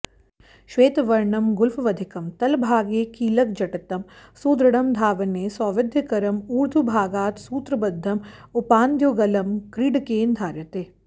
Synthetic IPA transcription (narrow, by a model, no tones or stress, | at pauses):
ʃʋeːt̪ʋɐɾɳɐmɡʊlfʰʋɐd̪ʱɪkɐmt̪ɐlbʱaːɡeːkiːlɐk̚d͡ʒɐʈɐt̪ɐmsuːd̪ɾɐɽɐmd̪ʱaːʋɐneːsɔːʋɪd̪ʱjɐkɐɾɐmuːɾd̪ʱubʱaːɡaːt̪suːt̪ɾɐbɐd̪ʱːɐmʊpaːnd̪joːɡɐlɐmkɾiɖkeːnd̪ʱaːɾjɐt̪eː